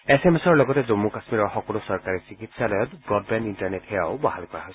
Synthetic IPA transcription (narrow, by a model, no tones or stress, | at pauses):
esɛmɛsɔɹlɔɡɔtɛzomːukasmiɹɔɹxɔkɔlusɔɹkaɹisikitsalɔjɔtbɹɔd̚bɛndintaɹnɛthɛjaʊbahalkɔɹaɦojsɛ̥